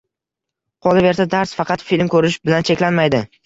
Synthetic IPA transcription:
qʰɒlˠɪve̞ɾsad̪aɾsfɑqʰɑt̪filmkʰɵɾɪʃbɪlant͡ʃʰe̞kʲlanmajd̪ɪ

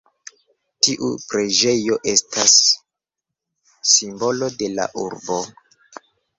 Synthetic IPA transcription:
tiʔṵpɾe̞d͡ʒe̞jo̞ʔe̞stʰas | imbo̞lo̞de̞la̰ʔṵɾbo̞

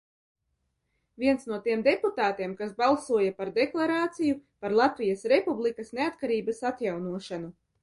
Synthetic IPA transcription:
viɛnsnuɔt̪iɛmd̪eput̪aːt̪iɛmkasbalˠsuɔjapaɾd̪eklˠaɾaːt̪sijupaɾlˠat̪vijɐsɾepublˠikɐsneat̪kaɾiːbɐsat̪jawnuɔʃanu

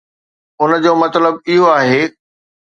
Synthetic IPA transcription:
ʊnə̆d͡ʑoːmɐt̪ləbɪɦoaːɦeː

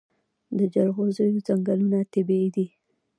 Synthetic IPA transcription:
d̪əd͡ʒaɾɣozəjozaŋɡalunat̪ɪbid̪i

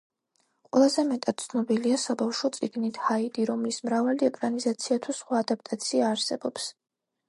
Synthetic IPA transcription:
qʼwɛlˠazɛmɛt̪ʼad̪̚t̪sʰnɔbiliasabafʃɔt̪sʼiɡnit̪ʰhaid̪iɾɔmlismɾavaliɛkʼɾanizat̪sʰiat̪ʰusχwaːd̪ap̚ʰt̪ʼat̪sʰiaːɾsɛbɔps

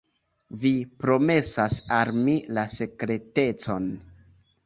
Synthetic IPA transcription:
vipɾo̞me̞sasalmilase̞kɾe̞te̞t͡so̞n

